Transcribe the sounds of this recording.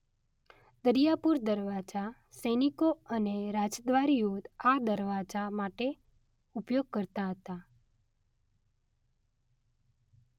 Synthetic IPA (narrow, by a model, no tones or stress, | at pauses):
d̪əɾijapuɾd̪əɾʋad͡ʒa | senikoəneɾad͡ʒd̪ʋaɾijod̪ad̪əɾʋad͡ʒamaʈe | upjoɡ̚kəɾt̪aɦət̪a